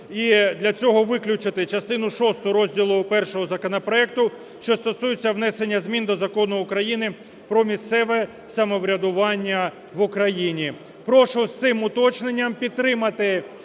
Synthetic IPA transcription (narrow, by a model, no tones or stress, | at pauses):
id̪lʲɐt͡sʲɔɦɔʋɪklʲʊt͡ʃɪt̪ɪt͡ʃɐst̪ɪnʊʃɔst̪ʊɾɔzʲdʲilˠʊpɛrʃɔɦɔzɐkɔnɐpɾɔɛk̚t̪ʊ | ʃt͡ʃɔst̪ɔsujet͡sʲːɐʋn̪ɛsenʲːɐzʲmʲind̪ɔzɐkɔnʊːkɾɐjinɪ | pɾɔmʲist̪sɛʋɛ | sɐmɔʋɾʲɐd̪ʊʋɑnʲːɐ | ʋʊkɾɐjinʲi | pɾɔʃʊt̪sɪmʊt̪ɔt͡ʃne̞nʲːɐmpʲid̪̚t̪ːɾɪmɐt̪ɪ